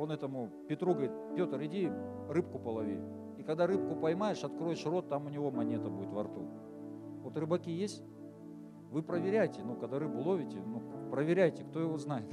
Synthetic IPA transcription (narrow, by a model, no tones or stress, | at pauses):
onɛt̪əmʊ | pʲɪt̪ɾuɡəɐɾit̪̚pʲo̞t̪əɾɪdʲi | rɨp̚kʊpəlˠɐvʲi | ikɐɡd̪aɾɨp̚kʊpɐjmajɪʂɐt̪kɾo̞jɪʂro̞t̪ːamʊnʲɪvo̞mɐnʲet̪əbudʲɪt̪vɐrt̪ṵ | vo̞t̪rɨbɐkʲijesʲtʲ | vɨpɾəvʲɪɾʲæjtʲɪnukɐɡd̪aɾɨbʊlˠo̞vʲɪtʲɪnupɾəvʲɪɾʲæjtʲɪkt̪o̞jɪvo̞znajɪt̪